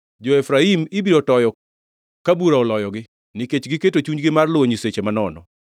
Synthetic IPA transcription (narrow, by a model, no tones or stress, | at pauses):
d͡ʒoɛfɾaimɪbiɾɔtɔjɔ | kabuɾaɔlɔjɔɡɪ | nɪket͡ʃɡɪketot͡ʃuɲɡɪmarlʊwoɲiset͡ʃemanɔnɔ̰